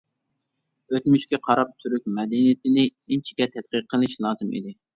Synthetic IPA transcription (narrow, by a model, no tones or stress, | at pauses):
øt̪myʃkʲɛqʰɑɾɑp̚t̪ʰyɾyk̚ʲmɛd̪ɛnijɪt̪ʰɪnɪint͡ʃʰi̥kʲɛt̪ʰɛt̪̚qəɾqʰːəlˠɨʃlˠɑːzɨmḭd̪ɪ